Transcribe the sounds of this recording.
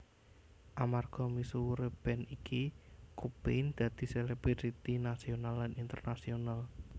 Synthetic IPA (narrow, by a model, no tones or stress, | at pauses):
ʔamarɡ̥ɔmisuwuɾeb̥ɛ̤nikikubend̪̥ä̤d̪̥i̤seleb̥iɾit̪inasionalːanint̪ərnasional